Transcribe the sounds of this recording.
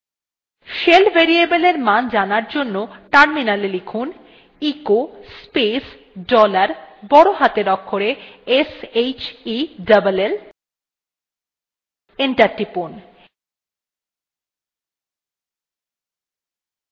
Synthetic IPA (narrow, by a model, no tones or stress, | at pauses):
ʃelbʱeɾiebeleɾmand͡ʑanaɾd͡ʑonːoʈaɾminalelekʰun | ikospes | ɖɔlaɾbɔɽoɦat̪eɾɔkʰːoɾeesejt͡ɕiɖabalel | eɳʈaɾʈipon